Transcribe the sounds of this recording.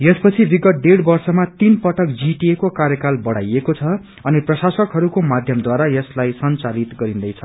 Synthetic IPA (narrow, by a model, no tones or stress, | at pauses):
jʌspʌt͡sʰibiɡʌt̪̚ɖeɽbʌrsʌmat̪inpʌʈʌk̚d͡ziʈiekokaɾjʌkalbʌɽ̤a̰jekot͡sʰʌ | ʌniprʌsasʌkɦʌɾukomad̪ʱjʌmd̪waɾajʌslajsʌnt͡salit̪ɡʌɾind̪ʌjt͡sʰʌ